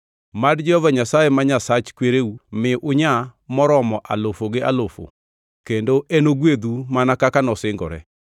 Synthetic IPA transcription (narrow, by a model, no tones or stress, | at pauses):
madd͡ʒɛhɔvaɲasaemaɲasat͡ʃkweɾeumɪʔʊɲamɔɾɔmɔʔalofoɡealofo̰ | kendoʔenoɡwed̪umanakakanɔsɪŋɡɔɾɛ̰